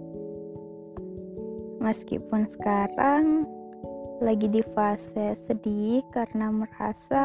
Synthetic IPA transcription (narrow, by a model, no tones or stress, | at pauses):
məskḭpʊnsə̥kaɾaŋ | laɡidifasɛsədihkaɾənaməra̰sa